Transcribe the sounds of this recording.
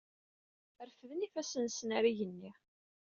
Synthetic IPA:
əɾfəðnifæsənsənaɾiʝənːiʁ

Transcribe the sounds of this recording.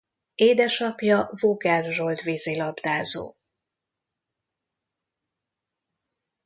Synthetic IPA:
eːd̪ɛʃɒpjɒvoːɡɛrʒold̪ʋeːzeːlɒbd̪aːzo̰ː

